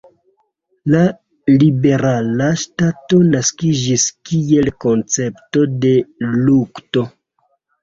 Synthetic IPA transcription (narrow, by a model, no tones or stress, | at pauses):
la | libe̞ɾalaʃtato̞naskid͡ʒiskie̞lko̞nt͡se̞pto̞de̞lukto̞